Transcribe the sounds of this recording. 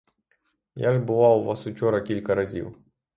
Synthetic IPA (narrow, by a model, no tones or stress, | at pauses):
jaʐbɨlˠawvasʊt͡ɕɔɾɐkʲilʲkɐɾɐzʲḭw